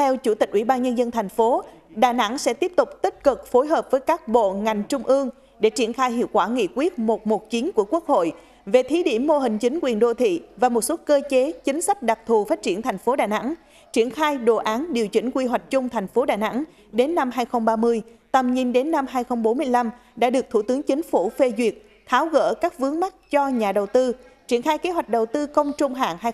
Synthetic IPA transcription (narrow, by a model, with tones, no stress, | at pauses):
t̪ʰɛ˧wt͡ɕu˧˩t̪i˨˩k̟̚ʔwi˧˩ɓaː˧nɲə˧nzə˧nt̪ʰa˨˩jŋ̟fo˨˦ | ɗaː˨˩na̰˧˥ŋsɛ̰˧˥t̪i˦˥əp̚t̪ʊ˨˩k͡p̚t̪ï˦˥k̚kɨ˨˩k̚fo˨˦jɦəː˨˩p̚vəː˨˦jkaː˦˥k̚ɓo̰˧˨ŋa˨˩jŋ̟t͡ɕʊ˧ŋ͡mʔɨ˧əŋ | ɗe˧˩t͡ɕi˧˩ənxaː˧jɦḭ˧˨əwkwaː˧˩ŋḭ˧˨kwi˦˥ət̚mo˨˩t̚mo˨˩t̚t͡ɕi˨˦nku˧˩əku˦˥ək̚ho̰˧˨j | ve˨˩t̪ʰi˨˦ɗi˧˩əmːo˧ɦï˨˩ŋ̟t͡ɕï˨˦ŋ̟kwi˨˩ənɗo˧˨t̪ʰḭ˧˨vaː˨˩mo˨˩t̚sə˦˥kəː˧t͡ɕe˨˦t͡ɕï˨˦ŋ̟sa˦˥k̚ɗa˨˩k̚t̪ʰu˨˩faː˦˥t̚t͡ɕi˧˩ənt̪ʰa˨˩jŋ̟fo˨˦ɗaː˨˩na̰˧˥ŋ | t͡ɕi˧˩ənxaː˧jɗo˨˩ʔaː˨˦nɗi˨˩əwt͡ɕï˧˩ŋ̟kwi˧ɦwa˨˩k̟̚t͡ɕʊ˧ŋ͡mt̪ʰɛ˨˩jŋ̟fo˨˦ɗaː˨˩jna̰˧˥ŋ | ɗe˨˦nːa˧mɦaː˧jxə˧wŋ͡mɓaː˧mɨ˧əj | t̪ə˨˩mɲi˧nɗe˨˦nːa˧mɦaː˧jxə˧wŋ͡mɓo˨˦mɨ˧əjla˧m | ɗa̰ː˧˥ɗɨ˨˩ək̚t̪ʰṵ˧˩t̪ɨ˨˦əŋt͡ɕï˨˦ŋ̟fu˧˩fe˧zwi˨˩ət̚ | t̪ʰaː˨˦wɣə̰ː˧˥kaː˦˥k̚vɨ˨˦əŋma˦˥t̚t͡ɕɔ˧ɲaː˨˩ɗə˨˩wt̪ɨ˧ | t͡ɕi˧˩ənxaː˧jke˨˦ɦwa˨˩jk̟̚ɗə˨˩wt̪ɨ˧kə˧wŋ͡mt͡ɕʊ˧ŋ͡mɦa̰ː˧˨ŋɦaː˧